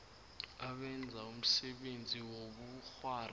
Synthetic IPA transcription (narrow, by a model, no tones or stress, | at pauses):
aɓɛnd͡zʱaum̩sɛɓend͡zʱiwoɓuxwaːr